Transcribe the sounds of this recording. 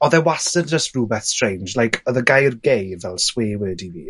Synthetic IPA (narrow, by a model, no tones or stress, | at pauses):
ɔðɛwastənd͡ʒəstruːbɛθstr̥ẽjnd͡ʒlajkʰɔðəɡajrɡejvɛlˠsweːwəːdivḭ